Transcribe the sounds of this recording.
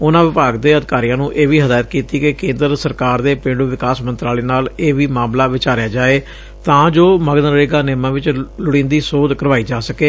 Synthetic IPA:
ʊnãːʋɪpaːɡd̪eːəd̪ɪkaːɾijãːnũːʔeːʋiːɦəd̪aːjət̪kiːt̪iːkekẽːnd̪əɾsəɾkaːɾd̪eːpẽːɳɖuːʋɪkaːsmə̃nt̪ɾaːleːnaːleːʋiːmaːmlaːʋɪt͡ʃaːɾɪjaːd͡ʒaːeː | t̪ãːd͡ʒoːməɡd̪ənɾeːɡaːneːmãːʋɪt͡ʃlʊɽĩːnd̪iːsoːd̪kəɾʋaːiːd͡ʒaːsəkeː

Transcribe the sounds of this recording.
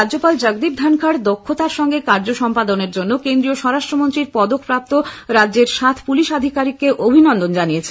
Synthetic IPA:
ad͡ʑopald͡ʑaɡd̪ib̚d̪ʱankʰaɽd̪okʰːot̪aɾʃɔŋɡekaɾd͡ʑoʃɔmpad̪oneɾd͡ʑonːokend̪ɾioʃɔɾaʃʈɾomont̪ɾiɾpɔd̪okpɾap̚t̪oɾadːʑeɾʃat̪ʰpuliʃad̪ʱikaɾikːeʔobʱinɔnd̪ond͡ʑanijet͡ɕʰe

